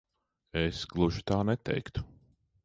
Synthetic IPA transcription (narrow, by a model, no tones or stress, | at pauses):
ɛsɡlˠuʒi̥t̪aːnɛt̪ɛ̰jkt̪u̥